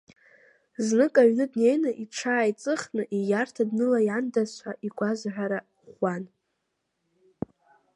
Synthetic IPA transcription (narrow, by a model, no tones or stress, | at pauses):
znɨkʼaɥnɨdne̞jnaʔiʈ͡ʂʰaːjt͡sʼɨχnɨʔijartʰadnɨlajandaɕʷʰaʔiɡʷazħʷᶣaɾa | χʷan